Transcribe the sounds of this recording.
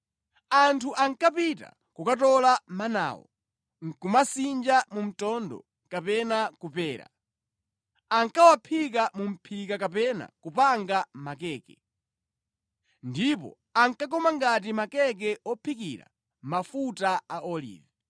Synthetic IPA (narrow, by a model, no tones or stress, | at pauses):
antʰuʔaŋkapita̰ | kukatɔlamana̰ːwɔ̰ | ŋ̩kumasind͡ʒamum̩tɔndɔ̰ | kapɛnakupɛːɾa̰ | aŋkawapʰik̬amum̩pʰikakapɛna̰kupaŋɡamakɛːkɛ | ndipɔ̰ | aŋkak̬ɔmaŋɡat̬imakɛk̬ɛɔpʰikḭɾa̰ | mafutaaʔɔlḭːvɛ